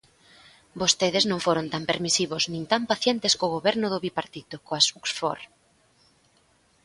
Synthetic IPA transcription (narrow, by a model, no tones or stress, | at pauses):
bost̪eðeznõŋfoɾont̪ampeɾmisiβoznĩnt̪ampaθjent̪eskoɣoβɛɾnʊðʊβipaɾt̪it̪okoasuksfo̰ɾ